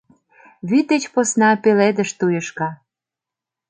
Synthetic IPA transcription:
βyd̪et͡ɕposnɑpeled̪əʃt̪ujəʃkɑ

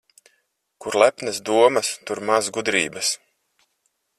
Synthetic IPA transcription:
kuɾlˠæpnɐsd̪uɔmɐst̪uɾmazɡud̪ɾḭːbɐs

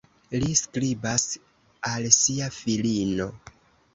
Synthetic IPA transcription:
liskɾibas | alsiafilino̞

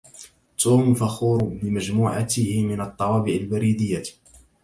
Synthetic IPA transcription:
t̪uːmfaxuːɾbɪmad͡ʒmuːʕat̪ɪhɪmɪnɑt̪ˤːɑwɑːbɪʕalbaɾiːd̪ɪjːa

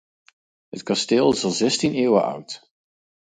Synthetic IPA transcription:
ɦətkɑsteːlˠɪsɑlˠzɛstineːwəʔʌ̰wt

